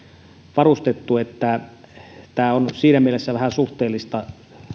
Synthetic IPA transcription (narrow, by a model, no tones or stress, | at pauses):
ʋɑrust̪et̪ːuet̪ːæ | t̪æːonsiːnæmielesːæʋæhæsuht̪eːlːist̪ɑ